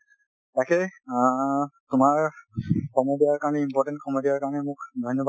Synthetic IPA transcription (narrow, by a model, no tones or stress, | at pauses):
takɛ | tʊmaɹ | kɔmodiaɹkaɹnɛimpɔɹʈɛ̃ntkɔmodijaɹkaɹɔnɛmʊkd̪ʱɔjnːɔba